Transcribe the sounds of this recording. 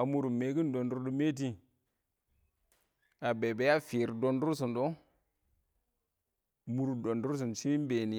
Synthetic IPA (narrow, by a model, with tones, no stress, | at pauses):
a˨mu˦˨ɾu˨me˨˦ɡi˦ndo˨ndu˦ɾdu˦me˦t̬i˦ | a˨be˨be˦ja˦fi˨ɾdo˦ndu˦ɾsu˨ndo˦ | mu˦ɾu˨do˨ndu˦ɾs̬i˨n˨si˦m˦be˨ni˨